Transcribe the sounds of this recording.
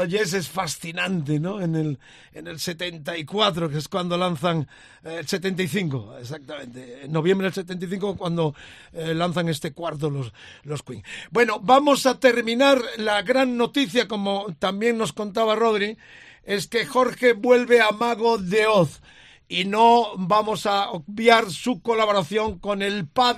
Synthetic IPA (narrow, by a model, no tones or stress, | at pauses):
oʝes̬e̞sfasθinãnt̪̬e̞no̞enel | ene̞lse̞t̪e̞nt̪aikwat̪̬ɾokeeskwand̪o̞lanθaŋ | else̞t̪ent̪aiθiŋkoesak̚t̪amẽ̞nt̪enːo̞β̞je̞mbɾelse̞t̪ent̪ajθiŋkokwand̪o̞ | lanθaŋe̞st̪e̞kwaɾt̪̬o̞loslo̞skwiŋbwe̞no̞bamo̞sat̪e̞ɾmĩnaɾlaɣɾaŋːo̞t̪iθjako̞mo̞t̪ambje̞ŋno̞sko̞nt̪̬aβaro̞ðɾi | e̞ske̞xo̞ɾxe̞βwe̞lβe̞amaɣo̞ðe̞oθ | ino̞bamo̞saok̚bjaɾsuko̞laβo̞ɾaθjo̞ŋko̞ne̞lpað